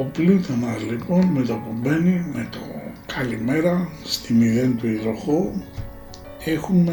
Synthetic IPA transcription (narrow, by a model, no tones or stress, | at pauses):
oplut̪enɐzlipo̞nme̞t̪opube̞nime̞t̪o̞̰kɐlime̞ɾɐst̪imiðe̞nt̪uiðɾoxo | exume